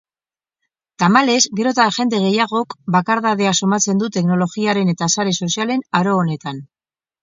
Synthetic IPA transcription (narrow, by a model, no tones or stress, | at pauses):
t̪amale̞zɡeɾo̞t̪aʝe̞nd̪e̞ɣ̞e̞jaɣ̞o̞kbakaɾðaðe̞aso̞mat͡se̞nd̪ut̪e̞kno̞lo̞ɣiaɾe̞ne̞t̪asaɾe̞so̞siale̞naɾo̞ːne̞t̪an